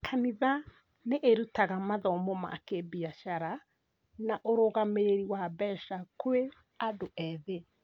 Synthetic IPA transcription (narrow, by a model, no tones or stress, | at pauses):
kʰaniða | neʔeɾutaɣamaðɔmɔma̰kebiaʃaɾa | naʔoɾoɣameɾeɾiwabɛʃakoe | adoʔɛðe